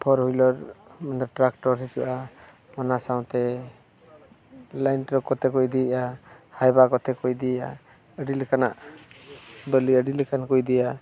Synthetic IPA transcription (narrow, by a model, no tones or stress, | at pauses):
pʰɔɾhujlɔɾmɔnd̪ɔɾʈɾak̚ʈɔɾɦituʔa | mɔnasaw̃t̪ɛ | lajnʈɾɔkɔt̪ɛkɔjd̪iʔahajbakɔt̪ʰɛkɔjd̪iʔa | əɖilɛkana̰ʔ | bəliəɖilɛkankɔjd̪ɛja